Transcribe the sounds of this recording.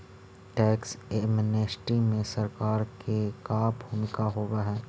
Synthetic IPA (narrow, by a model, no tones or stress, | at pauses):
ʈɛːksemneːsʈimẽsɐɾkaːɾkekabʱuːmɪkaɦoːɡaɦɛː